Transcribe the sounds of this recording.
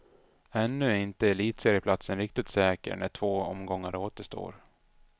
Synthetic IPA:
ɛnːɵɪnt̪əɛɭiːt̪seːɾəpʰlat̪sənɾɪk̚t̪ɪt̪sɛːkə̰ɾɳæ̰ʈʰv̥oːɔ̰mɡɔŋːəɾoːt̪əʂt̪o̰ːɾ

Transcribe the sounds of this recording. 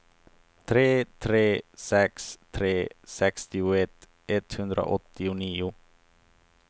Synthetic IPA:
t̪ʰɾeːt̪ʰɾeːsɛkst̪ʰɾeːsɛkst̪ɪʊɛt̪ː | ɛt̪hɵnd̪ɾʔa̰ʔɔt̪ːɪʊniːʊ

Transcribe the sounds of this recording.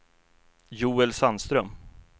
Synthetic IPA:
juːɛlsanst̪ɾœm

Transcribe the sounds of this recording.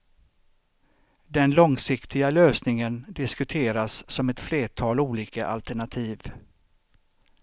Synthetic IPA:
d̪ɛnlɔŋsɪkt̪ʰɪɡaløːsnɪŋənd̪ɪskɵt̪ʰeːɾasːɔmɛt̪fleːʈʰɑːluːliːkaʔa̰lt̪æɳat̪ʰiːv

